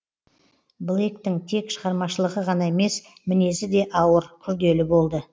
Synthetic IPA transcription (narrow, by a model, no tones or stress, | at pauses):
blˠejkt̪ɪŋt̪ʰe̞kʃəʁɑɾmɑʃəlˠəʁəʁɑnɑe̞me̞s | mɪne̞sɪd̪e̞ʔɑwəɾkʲʰʏɾd̪e̞lɪbo̞lˠd̪ə